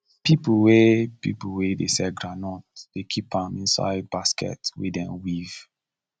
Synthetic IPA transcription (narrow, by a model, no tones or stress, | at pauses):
pipwepḭpuwedesɛɡɹanɔ̃td̥ekʰipʰãmĩnsa̰ɪd̚baskɛ̰twḛdɛ̃nwiv̥